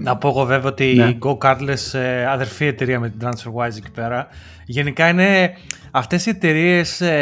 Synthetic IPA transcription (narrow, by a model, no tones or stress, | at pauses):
nɐpo̞eɣo̞ve̞viot̪iɡo̞kɐɾt̪le̞seɐðe̞ɾfie̞t̪e̞ɾiɐmet̪ind̪ɾɐnsfeɾɣwajzeci̥pe̞ɾɐ | ʝe̞nikɐine̞ | ɐft̪e̞sie̞t̪e̞ɾie̞s